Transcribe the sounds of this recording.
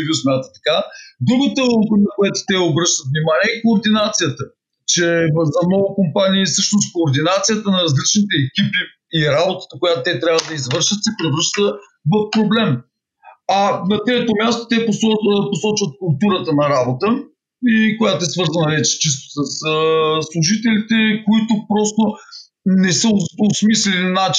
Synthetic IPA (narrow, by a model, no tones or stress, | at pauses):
vjusmʲjat̪ət̪ɐ̥kad̪ɾuɡot̪oomponɐkoʊɛt̪o̥t̪ɛobɾɤʃt̪ət̪vnimaniɛikoːɾd̪inat̪sijət̪ə | t͡ʃɛzɐnɔvʊkompaniːsɤʃnost̪koːɾd̪inat̪sijət̪ənɐɾɐzlit͡ʃnit̪ɛɛkʲipiː | ɾabot̪ə̥t̪əkojat̪ʊt̪ɛt̪ɾʲavəd̪ɐizvɤɾʃət̪sɛpɾɛvɾɤʃt̪ə | vɐfpɾoblɛm | ɐnɐt̪ɾɛt̪omʲjast̪o̥t̪ɛposɔposɔt͡ʃvət̪̚kʊlˠt̪uɾət̪ənɐɾabot̪ə | ikojat̪oɛsvɤɾzɐnɐvɛt͡ʃɛ̥t͡ʃis̬t̪o̥səsəslˠuʒit̪ɛlit̪ɛkoit̪ʊpɾɔst̪o | nɛsəosmislɛlinnat͡ʃ